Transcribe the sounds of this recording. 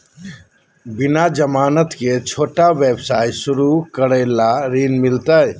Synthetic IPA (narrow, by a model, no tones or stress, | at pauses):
bɪnad͡ʒəmaːnət̪ket͡ʃʰoːʈaʋebsaːjsʊɾukəɾəːlaɾiːnmɪlt̪əj